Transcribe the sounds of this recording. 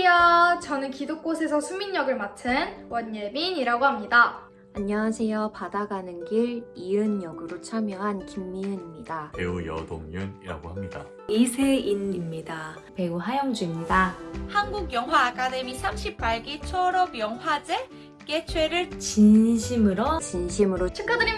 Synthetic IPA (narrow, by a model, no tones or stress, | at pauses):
jʌt͡ɕʌnɯnkidok̚k͈osʰe̞sʰʌsʰumːiɲjʌɡɯɭmatʰɯnwʌɲjemiɲiɾaɡoɦamɲida | aɲːʌwasʰe̞jopadaɡanɯnɡiɾiɯnjʌɡɯɾot͡ɕʰamjʌɦankimːiɯɲimɲidapḛujʌ̰do̰ŋɲɯniɾa̰ɡohamɲida̰ | isʰe̞inimɲida | pe̞uɦajʌŋd͡ʑuimɲidahanɡuɡjʌŋɦwaːkʰade̞misʰamɕʰip͈̚ːaɭɡit͡ɕʰʌɾʌmjʌŋɦwad͡ʑe̞ | k͈e̞t͡ɕʰwe̞ɾɯɭt͡ɕinɕʰimɯɾot͡ɕinɕʰimɯɾot͡ɕʰɯkʰadɯɾi